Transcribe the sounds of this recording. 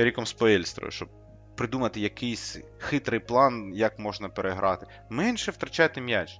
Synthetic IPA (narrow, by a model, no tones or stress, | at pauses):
ɾʲikɔmspɔɛlʲst̪ɾɔ̰jʊ̰ʃt͡ʃɔb̚ | pɾɪd̪umɐt̪ɪjɐkɪjsʲ | xɪt̪ɾɪjplˠɑnjɐkmɔʒnɐpeɾʔeɦɾʔɑt̪ɪ | mɛnʃɛwt̪ɾɐt͡ʃajt̪ɪmʲjat͡ʃ